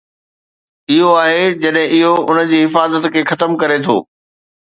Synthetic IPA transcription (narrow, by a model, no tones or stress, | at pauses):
ɪɦoaːɦed͡ʑɐɗɦɪ̃ʔɪɦoʊnəd͡ʑiːɦɪfaːzət̪kʰeːxɐt̪əmkɐɾet̪ʰo̰ː